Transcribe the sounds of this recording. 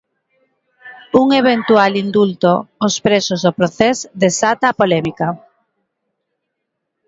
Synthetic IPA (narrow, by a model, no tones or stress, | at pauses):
uŋeβ̞ent̪ualind̪ult̪oːspɾesozðopɾoθezd̪esat̪aːpolɛmika